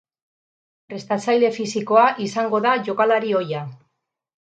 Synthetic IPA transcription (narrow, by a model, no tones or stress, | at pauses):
pɾe̞st̪at͡sajle̞fisiko̞aʔisaŋɡo̞ðaʝo̞kalaɾio̞ja